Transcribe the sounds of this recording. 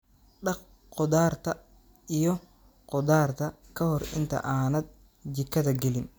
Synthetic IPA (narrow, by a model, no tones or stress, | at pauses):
ɖɑq | qɔd̪aːrt̪ʰɐ | ijɔ | qɔd̪aːrt̪ʰɐ | kʰɐhɔrɪ̰nt̪ʰɐ̰ʔaːnɐd̪̚ | d͡ʒɪkʰːɐðɐɡɛlɪn